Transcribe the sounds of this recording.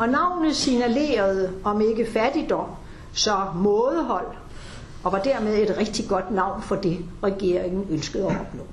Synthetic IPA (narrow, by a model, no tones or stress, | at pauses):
ɒ̽nɑ̈ʊ̰nð̩ˠsinæle̝̰ːɐð̞̩ˠɒ̽me̝ɡ̥əfæd̥id̥ɒ̽m̰ | sɒ̽mɔːðˠɦɒ̽l̰ | ɒ̽ʋɑ̈d̥æɐ̰með̞ˠe̝d̥ʁɛɡ̥̚d̥iɡ̥ɒ̽d̥nɑ̈ʊ̰nfɒ̽d̥e̝ʁɛɡ̥e̝ɐ̰eŋn̩ønsɡ̥əð̩ˠæɒb̥nɔ̰ː